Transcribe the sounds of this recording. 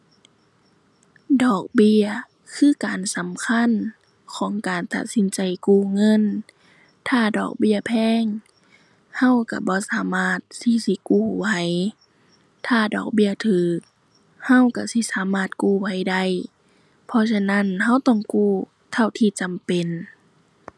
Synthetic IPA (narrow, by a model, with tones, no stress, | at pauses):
dɔː˨˩k̚bi˧ə | kʰɯː˧˩˨kaː˨nsa˨˦mkʰa˧˥˨n | kʰɔː˨˦ŋkaː˨nt̪a̰˧t̪̚si˨˦nt͡ɕa˨˩jkuː˧˩ŋɤ˧˥˨n | t̪ʰaː˧˩dɔ̰ː˨˩k̚bi˧˩ɐpʰɛː˧˥˨ŋ | ha˧˥˨wka˧˩bɔː˧˦saː˨˦maː˧˥˩t̪̚si˧˦si˧˦kuː˧˩wa˧˦j | t̪ʰaː˧˩dɔ̰ː˨˩k̚bi˧˨ɐt̪ʰɯː˨˦k̚ | ha˧˨wka˧˩si˧˦saː˨˦maː˧˩t̪̚kuː˧˩wa˧˩jda˧˩˨j | pʰɔ˧sa˧na˧˥˨nɦa˧˥˨wt̪ɔ˧˩˨ŋkuː˧˩ | t̪ʰa˧˨wt̪ʰiː˧˩t͡ɕa˨mpe˨n